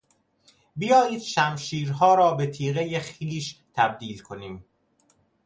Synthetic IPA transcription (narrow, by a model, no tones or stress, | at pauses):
bijɒːjiːd̪̥ʃæmʃiːɾɦɒːɾɒːbe̞t̪ʰiːɣejexiːʃt̪ʰæb̚d̪iːlkʰoniːm